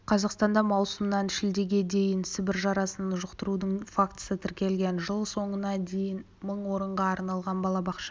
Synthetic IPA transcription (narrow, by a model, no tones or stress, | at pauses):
qʰɑzɑqst̪ɑnd̪ɑmɑwsəmnɑnʃɪld̪e̞ɡʲe̞d̪e̞jɪnsɪbɪɾʒɑɾɑsənɑnʒʊqt̪əɾud̪əɴfakt̪sət̪ʰɪɾkʲe̞lɡʲe̞nʒəlˠso̞ɴənɑd̪e̞jɪn | məɴwo̞ɾəɴʁɑɑɾnɑlˠʁɑnbɑlˠɑbɑqʃɑ